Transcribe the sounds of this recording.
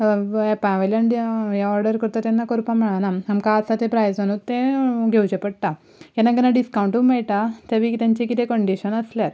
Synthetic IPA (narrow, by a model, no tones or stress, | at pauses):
apãʋɐlaɳɖjjaɔɾɖəɾkəɾt̪at̪enːakɔɾpaməɭanaamkaːsat̪ẽpɾajsanut̪ːeɡʱewd͡ʑepəɽʈ̪a | enaɡənaɖiskawɳʈumajʈ̪at̪aʋikit̪jaɲt͡ɕekit̪ekəɳɖiɕənɐsljaɾ